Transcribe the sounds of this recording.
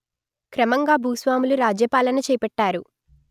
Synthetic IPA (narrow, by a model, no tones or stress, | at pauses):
kɾɐmɐŋɡaːbʱuːsʋaːmuluɾaːd͡ʒjɐpaːlɐnɐt͡ʃɛːjpɛʈːaːɾu